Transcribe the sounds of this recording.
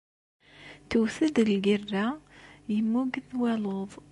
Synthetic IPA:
t̪əwθəd̪əlɡərːajəmːuɡðwæloðˤ

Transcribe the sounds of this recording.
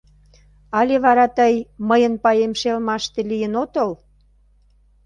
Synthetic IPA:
ɑlʲeβɑɾɑt̪əjməjənpɑjemʃelmɑʃt̪elijənot̪əl

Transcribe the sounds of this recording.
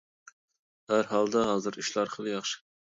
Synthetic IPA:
hæɾɦɑlˠd̪ɑɦɑːzɨɾyʃlˠɑɾχəlˠɨjɑχʃɨ̥

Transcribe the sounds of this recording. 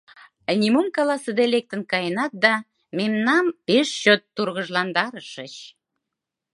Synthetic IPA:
nʲimumkɑlɑsəd̪elek̚t̪ənkɑjənɑt̪̚d̪ɑ | memnɑmpeʃɕøt̪ːurɣəʒlɑnd̪ɑɾəʃət͡ɕ

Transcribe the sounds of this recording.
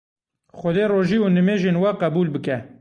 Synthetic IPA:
xɔd̪eːroːʒiːunɨmeːʒeːnwɛqæbuːlbɨkɛ

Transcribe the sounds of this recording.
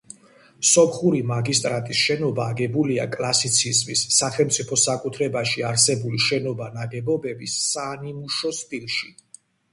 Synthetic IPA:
sɔpʰχuɾimaɡist̪ʼɾat̪ʼisʃɛnɔbaːɡɛbulia̰kʼlˠasit̪sʰizmisːaχɛlmt̪sʼipʰɔsakʼut̪ʰɾɛbaʃiaɾsɛbuliʃɛnɔbanaɡɛbɔbɛbisːanimuʃɔst̪ʼilʃi

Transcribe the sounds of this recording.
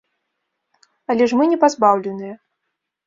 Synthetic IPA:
alʲɛʂmɨnʲɛpazbawlʲɛnɨjɛ

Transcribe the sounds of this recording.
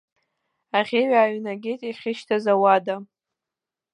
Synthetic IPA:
aʁʲeɥaːɥnaɡʲejtʼeχʲɪʃtʰazawada

